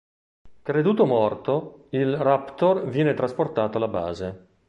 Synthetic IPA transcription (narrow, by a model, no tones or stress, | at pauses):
kɾed̪uːt̪omɔrt̪oilrapt̪orvjɛːnet̪ɾasport̪aːt̪oalaba̰ːze